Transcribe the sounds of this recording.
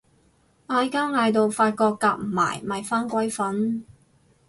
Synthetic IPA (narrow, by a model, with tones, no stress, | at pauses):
ʔaː˧jkaː˥ŋaː˧jt̪o˨wfaː˧t̚kɔː˧kːaː˧k̚m̩˨˩ma̰ː˨˩jmɐ˨˩jfaː˥nkʷɐ˥jfɐ˨˥n